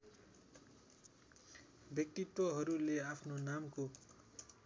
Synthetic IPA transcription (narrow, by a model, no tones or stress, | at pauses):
bjʌk̚t̪it̪wʌɦʌɾuleapʰnonamko